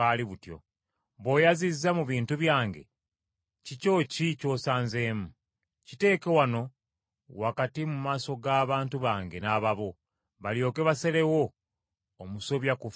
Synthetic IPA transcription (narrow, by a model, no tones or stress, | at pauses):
aliβutjo̞̰ | βo̞jazizːamuβiːntuβjaːŋɡe̞̰ | cico̞ːcico̞ːsaːnze̞ːmu | cite̞ːke̞wano̞ | wakatimumaːso̞ɡaːβaːntuβaːŋɡe̞naːβaβo | βaljo̞ːke̞βase̞le̞wo̞ː | musoβjakuf